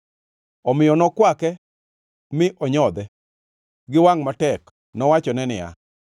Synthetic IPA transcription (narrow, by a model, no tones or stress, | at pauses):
ɔmɪjɔnɔkwakɛ | mɪʔɔɲɔd̪ɛ | ɡɪwaŋmatɛk | nɔwat͡ʃɔnɛnɪja̰